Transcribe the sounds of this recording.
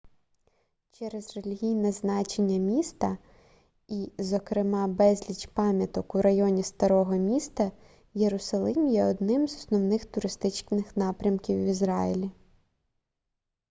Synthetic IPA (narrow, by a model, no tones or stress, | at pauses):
t͡ʃɛɾɛzrelʲiɦʲijnɛznɑt͡ʃenʲːɐmʲist̪ɐ | izɔkɾɪmɑbɛzʲlʲit͡ʃpɑmʲjɐt̪ɔkuɾɐjɔnʲist̪ɐɾɔɦɔmʲist̪ɐ | jeɾʊsɐlˠɪmjɛɔd̪nɪmzɔsnɔwnɪxt̪ʊɾɪst̪ɪt͡ʃʲnɪxnɑpɾʲɐmkʲiwizɾɑjilʲi